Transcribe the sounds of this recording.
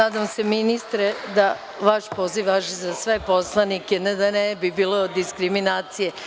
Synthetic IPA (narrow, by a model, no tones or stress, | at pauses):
aːd̪amse̞minist̪ɾed̪a | ʋaʃpo̞ːziʋʋaʃzasʋe̞po̞slˠanikened̪anebibiːled̪iskɾiminaːt̪sije